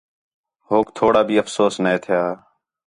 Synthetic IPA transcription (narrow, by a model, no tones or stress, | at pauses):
ɦoːkt̪ʰoːɽaːbʱiːəfsoːsnẽːt̪ʰɪjaː